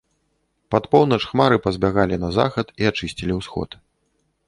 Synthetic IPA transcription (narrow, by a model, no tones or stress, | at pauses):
pat̪pɔwnɐt͡ʂxmaɾɨpɐzʲbʲaɣalʲinɐza̰xɐt̪iat͡ʂɨsʲt͡sʲilʲiwsxɔ̰t̪